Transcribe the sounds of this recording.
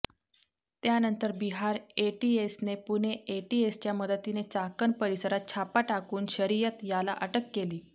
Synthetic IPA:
t̪janənt̪əɾbiɦaɾeʈiesnepuneʔeʈiest͡ɕjaməd̪ət̪inet͡sakənpəɾisəɾat̪̚t͡ɕʰapaʈakuːnɕəɾijət̪jala̰ʔəʈəkːeliː

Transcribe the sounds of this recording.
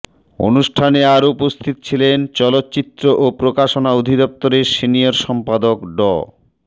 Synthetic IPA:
o̰nuʃʈʰaneaɾupost̪ʰit̪o̥t͡ɕʰilent͡ɕɔlot̪ːt͡ɕit̪ːɾoʔopɾokaʃonaod̪ʱid̪ɔp̚t̪oɾeɾsinijaɾʃɔmpad̪okɖɔ̰

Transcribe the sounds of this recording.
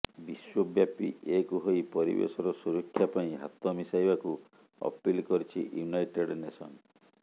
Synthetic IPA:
biswɔbjapiʔekuɦojpɔɾḭbḛsɔɾɔsuɾɔkʰːjapaĩɦat̪ɔmisajbaku | ɔ̰pilkɔɾit͡ʃʰḭjunajʈeɽnesɔ̰n

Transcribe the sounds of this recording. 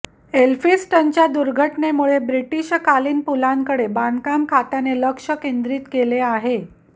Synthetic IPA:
elfisʈənt͡ɕjad̪uɾɡʱəʈnemuɭebɾiʈiɕkaliːnpulaŋkəɽebankamkʰat̪aneləkʂəkend̪ɾiːt̪keleaɦe

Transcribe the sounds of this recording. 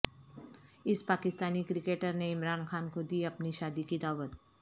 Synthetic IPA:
ɪspaːkɪst̪aːnikɾɪkeːʈəɾneɪmɾaːnxaːnkod̪iːɐpniʃaːd̪ikid̪aːwət̪

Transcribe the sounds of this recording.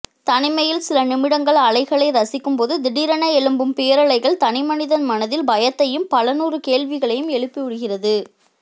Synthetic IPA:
t̪ɐnɪmɐjɪlsɪlɐnɪmɪɽɐŋɡɐɭɐɭɐɪɣɐɭɐɪɾɐsɪkːɯmpoːðɯd̪ɪɽiɾɐnɐɛɻɯmbɯmpɪjɐɾɐɭɐɪɣɐɭt̪ɐnɪmɐnɪðɐnmɐnɐðɪlbɐjɐt̪ːɐjɯmpɐlɐnuːrɯkeːɭʋɪɣɐɭɐjɯmɛɭɯpːiʊɽɯɣɪrɐðɯ

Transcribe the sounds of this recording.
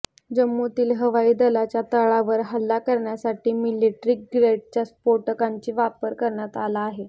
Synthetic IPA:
d͡ʑəmːut̪iːlɦəʋaiːd̪əlat͡ɕjat̪əɭaʋəɾɦəlːakəɾɳjasaʈiːmiliʈɾiːk̚ɡɾeʈ̚t͡ɕjaspoɾʈəkaɲt͡ɕiːʋapəɾkəɾɳjat̪alaːɦe

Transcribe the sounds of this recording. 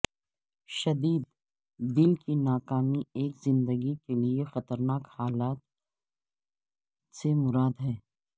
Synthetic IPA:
ʃɐd̪iːd̪ | d̪ɪlkinaːkaːmieːkzɪ̃nd̪əɡikeliexɐt̪əɾnaːkhaːlaːt̪̚ | semʊɾaːd̪ɦɛː

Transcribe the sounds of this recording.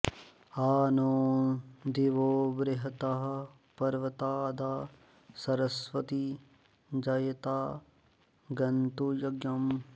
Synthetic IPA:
aːnoːd̪iʋoːbɾɪɦɐt̪aɦɐ | pɐɾʋɐt̪aːd̪aː | sɐɾɐsʋɐt̪i | d͡ʒɐjɐt̪aː | ɡɐnt̪ujɐɡjɐm

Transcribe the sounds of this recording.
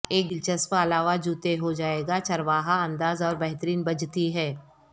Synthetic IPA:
eːk̚d̪ɪlt͡ʃəspaɐlaːʋad͡ʒuːt̪eɦod͡ʒaːeːɡat͡ʃɐɾʋaːɦaɐ̃nd̪aːzɔːɾbɛɦt̪əɾiːnbɐd͡ʒʱt̪iɦɛː

